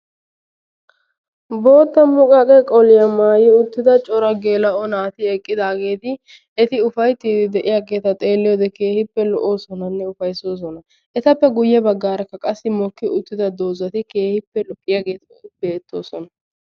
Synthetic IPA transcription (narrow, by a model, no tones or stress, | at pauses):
bo̞ːt̪ːɐmʊkʼɐkʼɛkʼɔlɪjɐmaːjɪʊt̪ːɪd̪ɐt͡ʃʼɔɾɐɡe̞ːlɐʔɔnaːt̪ɪɛkʼːɪd̪aːɡe̞ːt̪ɪ | ɛt̪ɪʊfɐjt̪ːiːd̪ɪd̪ɛʔɪjaːɡe̞ːt̪ɐt̪ʼe̞ːlːɪjoːd̪ɛkeːhɪpːɛlɔʔo̞ːsɔnɐnːɛʊfɐjso̞ːs̬ɔnɐ | ʔɛt̪ɐpːɛɡʊjːɛbɐɡːaːɾɐkːɐkʼɐsːɪmɔkːɪʔʊt̪ːɪd̪ɐd̪o̞ːzɐt̪ɪke̞ːhɪpːɛlʊkʼːɪjaːɡe̞ːt̪ | be̞ːt̪ːo̞̰ːsɔnɐ